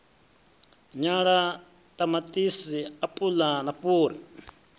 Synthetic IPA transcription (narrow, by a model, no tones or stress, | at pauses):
ɲaɺa | t̪ʼamat̪ʼisiapʼulanaɸuːɾi